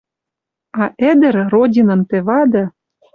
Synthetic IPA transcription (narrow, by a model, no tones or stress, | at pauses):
ɑʔĕd̪ɘ̆ɾrodʲinɤ̆nt̪ĕβɑd̪ɤ̆